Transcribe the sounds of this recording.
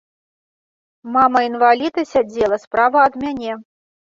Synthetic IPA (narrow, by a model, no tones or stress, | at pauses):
mamɐinvalʲid̪ɐsʲad͡zʲɛlˠɐspɾavɐɐd̪mʲanʲɛ